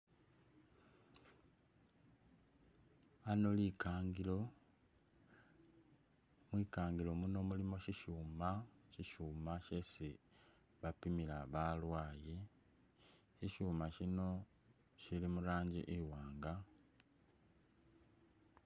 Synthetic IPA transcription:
ano̞liːkʰaːŋɡilo̞ | mwiːkaːŋɡilo̞muno̞ːmulimo̞ʃiʃuːmaçiʃuːmaʃe̞si | βapimilaβalwaːji | çiʃuːmaʃino̞ | ʃilimulaːɲɟḭʔewaːŋɡa

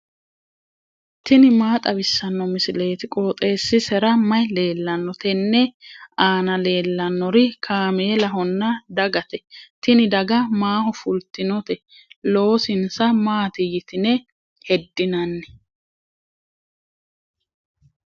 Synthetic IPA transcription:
t̪ɪnɪmaːt̪ʼɐbɪsːɐnːɔmɪsɪle̞ːt̪ɪkʼoːt̪ʼe̞ːsːɪsɛɾɐmɐjle̞ːlːɐnːɔt̪ɛnːɛaːnɐle̞ːlːɐnːɔɾɪkʰaːmeːlɐɦɔnːɐd̪ɐɡɐt̪ɛt̪ɪnɪd̪ɐɡɐmaːhɔfʊlt̪ɪnɔt̪ɛ | lo̞ːsɪnsɐmaːt̪ɪjɪt̪ɪnɛ | hɛd̪ːɪnɐnːɛ̥

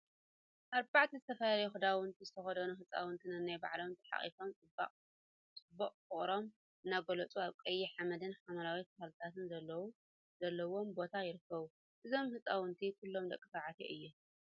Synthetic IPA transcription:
ʔaɾbaʕt̪ʰizɨt̪ʰɐfɐlaljuxɨd̪awɨnt̪ʰizɨt̪ʰɐxɐd̪ɐnuɦɨt͡sʼa̰wɨnt̪ʰinɨɨnːajba̰ʕlo̞mt̪ʰɐ̥ħa̰χʼḭfo̞mt͡sʼɨba̰qʼ | t͡sʼɨbːoqʼkɨχʼɾo̞m | ʔɨnːaɡolɐt͡sʼuaβkʼɐjːiħamɐd̪ɨnħamɐɾawit̪ʰɐhalt̪ʰat̪ɨnzɐlːɐwu | zɐlːɐwo̞mbo̞t̪ʰajɪɾɨkʰːɐβu | ʔɨzo̞mhɨt͡sʼawɨnt̪ʰikʰɨlːo̞md̪ɐ̰kʼːɨsaʕat̪ʰḛʔɨjːɛ

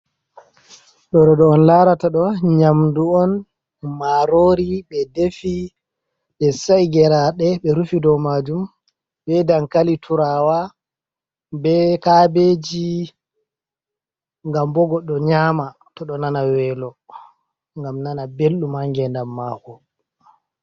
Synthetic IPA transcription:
ɗɔɾɔɗɔːnlaɾataɗɔɲamduɔn | maɾoːɾiɓɛdefi | ɓɛsajɡɛɾaɗɛɓɛɾufidɔmad͡ʒum | ɓɛdankalitʰuɾaːwa | bɛkabed͡ʒi | ŋɡambɔɡɔɗɔɲaːma | tɔɗɔnanawɛːlɔ | ŋɡamnanabelɗumhaŋɡɛndamːahɔ

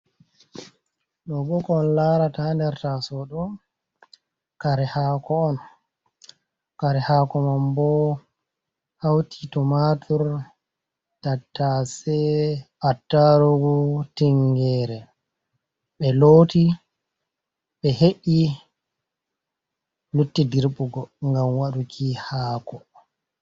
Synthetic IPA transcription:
ɗɔbɔkɔːnlaɾatandɛɾtasɔɗɔ | kaɾɛhakɔːn | kaɾɛhaːkɔmambɔ | hawtʰitɔmatʰuɾ | tatːasɛʔatːaɾoɡutiŋɡɛːɾɛ | ɓɛloːti | ɓɛɦeʔi | lutːidiɾɓuɡɔŋɡamwaɗukʰihaːkɔ

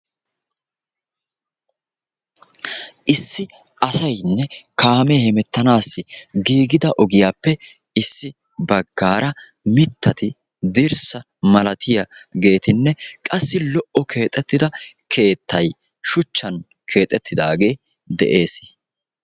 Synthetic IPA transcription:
ʔɪsːɪ | ʔɐsɐjnːɛkaːmehɛmɛt̪ːɐnaːsːɪɡiːɡɪd̪ɐʔɔɡɪjaːpːɛ | ɪsːɪ | bɐɡːaːɾɐ | mɪt̪ːɐt̪ɪ | d̪ɪɾsɐ | mɐlɐt̪ʰɪjɐɡe̞ːt̪ɪnːɛkʼɐsːɪlɔʔɔkʰe̞ːt̪ʼɛt̪ːɪd̪ɐ | kʰe̞ːt̪ːɐj | ʃʊt͡ʃːɐn | kʰe̞ːt̪ʼːɛt̪ʰːɪd̪aːɡe̞ː | d̪ɛ̰ʔe̞ːs

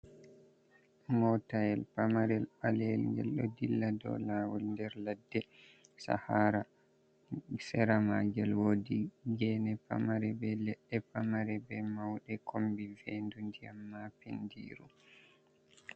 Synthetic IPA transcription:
mɔtajɛlpamaɾɛlalɛlŋɡɛ̰lɗɔdilːadɔ̰laːwɔlndɛɾladːɛ | sa̰haɾa | sɛɾamaɡɛlwoːdiɡɛnɛpa̰maɾɛbɛlɛɗːɛpamaɾɛbɛmawɗɛkʰombivendundiamːapendḭːɾu

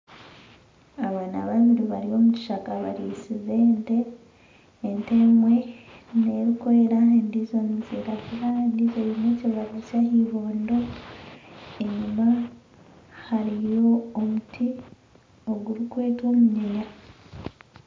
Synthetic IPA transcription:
aβana̰βaβiɾiβaɾio̞muci̥ʃakaβa̰ɾisize̞ːnte̞ː | nte̞mwe̞ne̞ɾikoɾeɾaendizo̞niziɾakuβaendizojneciβaɾacahiβo̞ːndo̞ | e̞ɲuma | haɾijo̞ːmutʰi | o̞ɡuɾukwe̞ːto̞ːmuɲiɲa

